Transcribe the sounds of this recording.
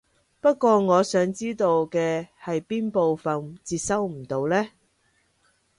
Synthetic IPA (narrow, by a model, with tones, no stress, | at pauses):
pɐ˥t̚kʷɔː˧ŋɔː˨˧sœː˨˥ŋt͡siː˥t̪o˧wkɛː˧hɐ˨jpiː˥npo˨wfɐ˨nt͡siː˧t̚sɐ˥wm̩˨˩t̪o˨˧wlɛː˥